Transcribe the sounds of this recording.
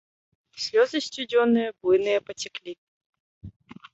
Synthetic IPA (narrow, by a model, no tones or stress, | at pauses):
sʲlʲɔzəsʲtʲudʲɔnːɨjɐblˠɨnɨjɐpɐtʲɪklʲi